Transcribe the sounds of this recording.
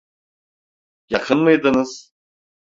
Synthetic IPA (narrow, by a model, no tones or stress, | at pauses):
jaχənmɨjd̪ɨnɨz